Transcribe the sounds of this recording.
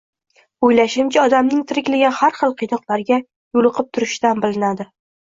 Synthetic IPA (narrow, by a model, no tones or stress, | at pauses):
ojlaʃɪmt͡ʃʰɪɒd̪amnɪŋt̪ʰɪɾɪkʲlaɡʲanhaɾχɨlˠqʰɨjnɒqlˠaɾɡʲa | jʊlˠɨqʰɨp̚t̪ʰʊɾɪʃt̪anbɪlɪnad̪ɪ